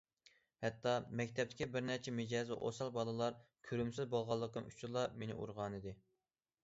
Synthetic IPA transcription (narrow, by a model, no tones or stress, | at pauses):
hɛt̪ːɑmɛkʲt̪ʰɛp̚t̪ɪ̥kʲibɪɾnæt͡ʃʰɛmɪd͡ʒɑːzɛ̰ʔo̰sɑlˠbɑlˠɨlˠɑɾkʲʰøɾymsɪzbolˠʁɑlˠːəqəmy̥t͡ʃʰulˠɑmenɪ̰ʔṵɾʁɑnɨd̪ɪ